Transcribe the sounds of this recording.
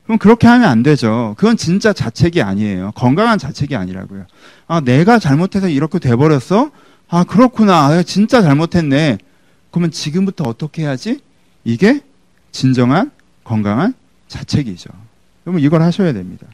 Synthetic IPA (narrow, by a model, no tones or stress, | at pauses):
kɯɾɯmkɯɾʌkʰe̞ɦamjʌnandwe̞d͡ʑokɯɡʌnt͡ɕint͡ɕ͈at͡ɕat͡ɕʰe̞ɡia̰ɲiejokʌŋɡaŋɦant͡ɕat͡ɕʰe̞ɡia̰ɲiɾa̰ɡojo | ane̞ɡat͡ɕaɭmotʰe̞sʰʌiɾʌkʰetwe̞bʌɾjʌsʰʌ | akɯɾʌkʰunaneɡat͡ɕint͡ɕ͈at͡ɕaɭmotʰe̞nːe̞ | kʌmjʌnt͡ɕiɡɯmbutʰʌːt͈ʌkʰe̞ɦejad͡ʑi | iɡe̞ | t͡ɕind͡ʑʌŋɦan | kʌŋɡaŋɦan | t͡ɕat͡ɕʰe̞ɡid͡ʑo̰ | kɯɾʌmuiɡʌɭhaɕʰʌjadwemɲida